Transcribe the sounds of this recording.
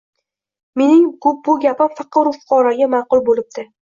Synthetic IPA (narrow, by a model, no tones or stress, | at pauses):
me̞nɪŋbʊbʊɡʲapɪmfɑqɨɾʊfʊ̥qʰɒɾaɡʲamɑqʊlˠbolɪb̚d̪̥ɪ